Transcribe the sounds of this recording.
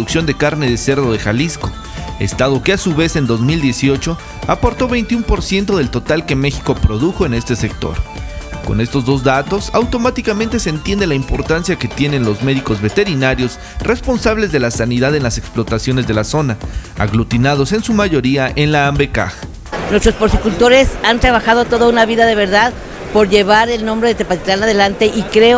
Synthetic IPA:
uksjo̞nd̪e̞kaɾne̞ðese̞ɾðo̞ðe̞xalisko̞ | e̞̰st̪aðo̞keasuβe̞se̞nd̪o̞zmild̪je̞sio̞t͡ʃo̞ | apo̞ɾt̪o̞βe̞jnt̪iumpo̞ɾsje̞nt̪o̞ð̞e̞lt̪o̞t̪alke̞me̞xi̥ko̞pɾo̞ðuxo̞e̞ne̞st̪e̞se̞k̚t̪o̞̰ɾko̞̰ne̞st̪o̞zðo̞zðat̪o̞sawt̪o̞mat̪ikamẽnt̪e̞seːnt̪je̞nd̪elaimpo̞ɾt̪ansjake̞t̪je̞ne̞nlo̞zme̞ðiko̞zβe̞t̪e̞ɾinaɾjo̞s | re̞spo̞nsaβle̞zðe̞lasaniðaðe̞nlase̞ksplot̪asjo̞ne̞zðe̞laso̞naa̰ɣlut̪inað̞o̞se̞nsumaʝo̞ɾiaʔe̞nlaːmbe̞ka̰x | nwest̪ɾo̞sposikult̪o̞ɾe̞sant̪ɾaβaxaðo̞t̪o̞ðaunaβiðaðe̞β̞e̞ɾðað | po̞ɾʝe̞βaɾe̞lnõ̞mbɾe̞ðet̪epat̪it̪anaðe̞lant̪e̞ʔikɾe̞

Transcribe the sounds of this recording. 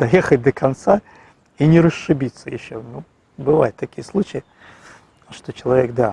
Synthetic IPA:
d̪ɐjexət̚ʲd̪əkʰɐnt̪sa | inʲɪɾəʂːɨbʲit̪sːəjɪ̰ɕːonu | bɨva̰jɪt̪ːɐkʲijəslˠut͡ɕɪjɪ | ʂt̪ot͡ɕɪlˠɐvʲek̚d̪a

